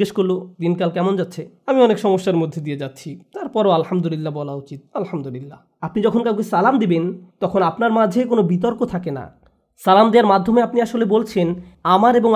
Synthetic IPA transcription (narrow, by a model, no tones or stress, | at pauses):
eʃkoɾlod̪inkalkɛmond͡ʑatːɕʰe | amiɔnekʃɔŋoʃːaɾmod̪ʱːed̪ijed͡ʑatːɕʰit̪aɾpɔɾoalhamd̪ulilːabɔlaut͡ɕit̪̚alhamd̪ulilːa | apnid͡ʑɔkʰonkawkesalamd̪ebent̪ɔkʰonapnaɾmad͡ʑʱekonobit̪̬ɔɾkot̪ʰakena̰ | salamd̪eaɾmad̪ʱːomeapniaʃolebolt͡ɕʰen | amaɾeboŋ